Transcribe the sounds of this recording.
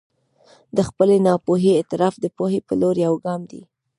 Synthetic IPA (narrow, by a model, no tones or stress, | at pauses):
d̪əxpəlenɑpoɦeːt̪ɪɾɑfd̪əpohepəloɾjawɡɑmd̪ḭ